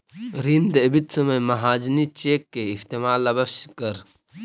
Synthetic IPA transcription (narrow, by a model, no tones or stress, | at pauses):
ɾind̪ɐbit̪sɐmejmɐɦaːd͡ʒnit͡ʃeːkːeɪft̪emaːlːɐbɐʃkɐɾ